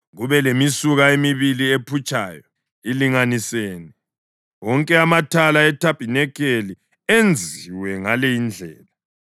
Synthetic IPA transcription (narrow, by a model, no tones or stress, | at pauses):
ɣuβɛlemisuɣaemiβiliepʰut͡ʃʼa̰ːjɔ | iliŋaniseːnɛ | wɔŋkʼɛamatʰalaɛtʰapʼinɛkʰeli | end͡zʱiwɛŋalɛind͡ɮʱɛːla